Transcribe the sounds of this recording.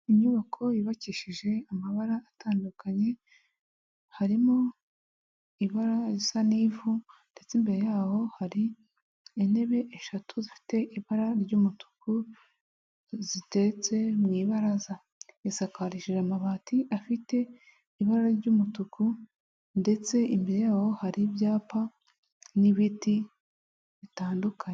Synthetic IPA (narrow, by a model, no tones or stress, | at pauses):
iɲuβakʰo̞jiβaciːʃiʒe̞amaβaɾaːtʰaːndukʰaɲe̞ | haɾimo | iβaɾaɾisaniːvunde̞t͡simbe̞ɾe̞jaːho̞haɾi | ene̞βe̞ʔeʃatʰuzifi̥te̞ʔiβaɾaɾɟumutu̥kʰu | zite̞t͡se̞mŋiːβaɾaza | isakaɾiʃiʒamaβaːtʰiʔafite̞ | iβaɾaɾɟumutuku | nde̞t͡se̞ʔimbe̞ɾe̞jaːho̞haɾibjaːpa | niβiti | βitaːndukʰaɲe